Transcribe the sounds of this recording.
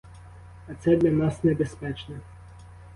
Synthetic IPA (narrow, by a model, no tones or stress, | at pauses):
ɐt̪sɛd̪ʲlʲɐnasnɛbɛspɛt͡ʃnɛ